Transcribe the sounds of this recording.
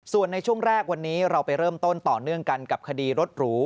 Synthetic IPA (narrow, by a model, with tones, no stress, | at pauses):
su˨˩ənːa˧jt͡ɕʰu˥˩əŋɾɛː˥˩k̚wa˧nːiː˦˥ɾa˧wpa˧jɾɤː˥˩mt̪o˥˩nt̪ɔː˨˩nɯ˥˩əŋka˧nka˨˩p̚kʰa˧diː˧ɾo˦˥t̪̚ɾuː˦˥